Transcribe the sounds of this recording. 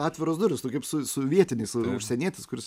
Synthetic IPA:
ɑːt̪ʲʋʲɪɾoːsd̪ʊɾʲʊst̪ʊkɐɪpsʊsʊʋʲiɛt̪ʲɪnʲɛɪsʊʃʲsʲɛnʲiːt̪ʲɪskʊɾʲɪs

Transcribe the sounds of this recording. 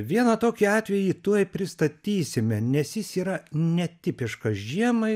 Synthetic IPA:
ʋʲiɛnɐt̪oːkʲiɑːt̪ʲʋʲɛjit̪uɔjpʲɾʲɪst̪ɐt̪ʲiːsʲɪmʲɛnʲɛsjɪsiːɾɐnʲɛt̪ʲɪpʲɪʃkɐsʒʲiɛmɐɪ

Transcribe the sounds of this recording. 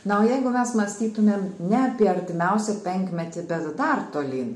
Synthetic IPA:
nɐoːjɛɪɡʊmʲɛsmɐsʲt̪ʲiːt̪ʊmʲeːmnʲɛɐpʲiɛɐɾʲt̪ʲɪmʲɛʊsʲɛpʲɛŋʲkmʲɛt̪ʲɪbʲɛt̪d̪ɐrt̪oːlʲiː

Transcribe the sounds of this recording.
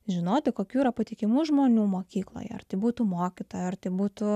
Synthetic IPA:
ʒʲɪnoːt̪ʲɪkoːkʲuːiɾɐpɐt̪ʲikʲɪmuːʒmoːnʲuːmoːkkʲiːklˠo̰ːjɛ̰ɐ̰rt̪ʲɐɪbuːt̪uːmoːkʲɪt̪oːjɐrt̪ɐɪbuːt̪ʊ

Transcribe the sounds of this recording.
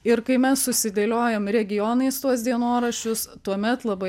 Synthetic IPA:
ɪɾkɐɪmʲɛsːʊsʲɪd̪ʲeːlʲoːjoːmɾʲɛɡʲɪjɔnɐɪst̪uɔsʲd̪ʲiɛnoːɾɐʃʲʊst̪uɔmʲɛt̪lˠɐbɐɪ

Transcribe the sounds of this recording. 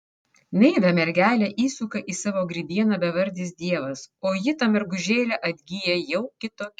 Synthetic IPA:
nʲɛɪʋʲɛmʲɛɾʲɡʲæːlʲɛʔiːsukɐʔiːsɑːʋoːɡɾʲiɪbʲiɛnɐbʲɛʋɐɾʲd̪ʲiːs̬d̪ʲiɛʋɐsoːjɪt̪ɐmʲɛɾɡʊʒʲeːlʲɛʔɐd̪ʲɡʲijɛjɛʊkʲɪt̪oːkʲ

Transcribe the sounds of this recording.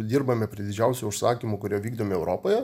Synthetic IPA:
d̪ʲiːɾbɐmʲɛpʲɾʲid̪ʲɪd͡ʒʲæʊsʲʊʊʃsɑːkʲimʊkʊɾʲoːʋʲiːɡd̪oːmʲɪɛʊɾoːpoːjɛ

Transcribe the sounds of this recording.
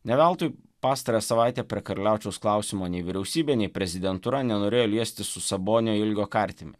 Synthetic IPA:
nʲɛʋʲɛlˠt̪oːjpɑːst̪ɐɾɐjɛːsɐʋɑˑɪt̪ʲeːpʲɾʲiɛkɐɾʲlʲæˑʊt͡ʃʲɛʊsklˠɑˑʊsʲɪmoːnʲɛɪʋʲɪɾʲɛʊsʲiːbʲeːnʲɛɪpʲɾʲɛzʲɪd̪ʲɛnt̪ʊɾɐnʲɛnoːɾʲeːjoːlʲiɛsʲt̪ʲɪsʊsɐboːnʲɪjoːɪlʲɡʲoːkɐˑɾʲt̪ʲɪmʲɪ̰

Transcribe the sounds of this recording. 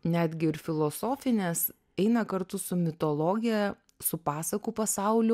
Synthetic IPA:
nʲæːd̪ʲɡʲɪɪɾfʲɪlˠoːsoːfʲɪnʲeːs | ɛɪnɐkɐɾt̪ʊsʊmʲɪt̪oːlˠoːɡʲɪjɛ | sʊpɑːsɐkuːpɐsɑˑʊlʲʊ

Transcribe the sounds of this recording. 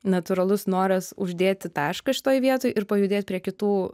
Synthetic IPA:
nɐt̪ʊɾɐlˠʊsnoːɾɐsʊʒʲd̪ʲeːt̪ʲɪt̪ɑːʃkɐʃʲɪ̥t̪oːjʋʲiɛt̪oːjʔɪɾpɐjʊd̪ʲeːt̪̚ʲpʲɾʲiɛkʲɪt̪uː

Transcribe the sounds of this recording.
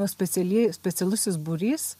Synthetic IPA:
osʲpʲɛt̪sʲɛlʲisʲpʲɛt̪sʲɛlˠʊsʲɪs̬bʊɾʲiːs

